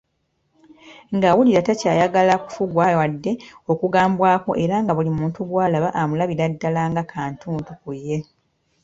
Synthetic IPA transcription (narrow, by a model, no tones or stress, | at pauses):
ŋɡawuliɾatacaːjaɡalaku̥fuɡwawadːe̞o̞kuɡaːmbwaːko̞̰ʔe̞ɾaŋɡaβulimuːntuɡwaːlaβaʔamulaβiɾadːalaːŋɡakʰaːntʰuːntukujːe̞